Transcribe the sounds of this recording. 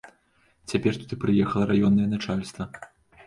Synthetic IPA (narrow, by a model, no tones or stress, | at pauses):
t͡sʲapʲɛrt̪ut̪ɨpɾɨjɛxɐlˠɐɾajɔnːɐjɛnat͡ʂalʲst̪vɐ